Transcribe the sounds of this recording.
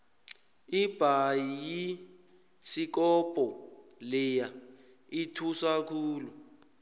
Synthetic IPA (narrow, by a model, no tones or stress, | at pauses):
ib̥ʱajiji | sik̬ɔpʼɔlɛja | itʰusakʰuːlɔ